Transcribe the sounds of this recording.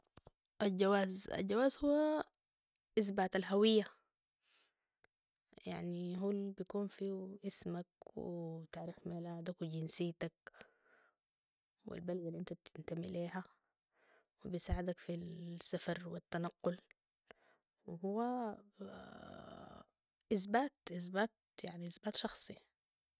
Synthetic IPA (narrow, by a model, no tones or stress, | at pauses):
ʔald͡ʒawaːza̰ld͡ʒawaːzhuwːa | ʔisbaːt̪alɦawijːa | ja̰ʕniɦulbijkuːnfiʔismakwḭt̪aʕɾiːxmelaːd̪akwiɟinsiːt̪ak̚ | wḭlbalad̪alːiʔɪnt̪ab̚t̪ʰɪnt̪amiliːɦa | wibisaːʕad̪akfisːafɑɾˤwit̪ːanɑqːʊl | wɪɦuwːa | ʔɪsbaːt̪ʔɪsbaːt̪ | jaʕniʔasbaːt̪ʃɑxsˤi